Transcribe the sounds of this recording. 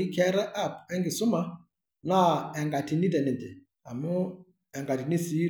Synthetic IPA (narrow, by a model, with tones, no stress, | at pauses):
i˦kʰɛ˦ɾɛ˦ʔa˦˨pɛ˦ŋɡɪ˨sʊ˦ma˦ | na˦ɛ˨ŋɡa˨tʰi˨ni˦tɛ˨nɛ˨t̪ɛ˨ | a˨mʊ˦ | ɛ˨ŋɡa˨ti˨ni˦si˦